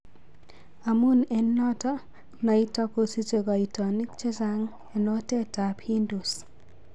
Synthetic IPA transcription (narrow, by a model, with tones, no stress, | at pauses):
a˨mu˦nɛnːɔ˦tɔ˦ | nɔ˨i˦tɔ˦ko˦si˦t͡ʃe˨ɡɔ˨i˨tɔ˨ni˦kt͡ʃe˦sa˦ŋ | ɛ˨nɔ˦tɛ˦ta˨phi˦ndu˨s